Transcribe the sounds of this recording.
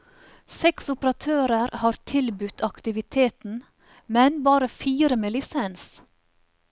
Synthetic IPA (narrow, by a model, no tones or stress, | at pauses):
sɛksʊpəɾɑt̪ʰøːɾəɾhɑːɾt̪ʰɪlbʉt̪ʰɑkt̪ɪʋɪt̪ʰeːt̪n̩ | mɛnbɑːɾəfiːɾəmeːlɪsɛns